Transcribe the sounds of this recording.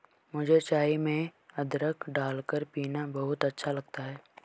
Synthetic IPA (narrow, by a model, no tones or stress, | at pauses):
mʊd͡ʒʱet͡ʃaːimẽɐd̪ɾəkʰɖaːlkəɾpiːnabɐɦʊt̪ɐtːʃʰalɐɡ̚t̪aɦɛː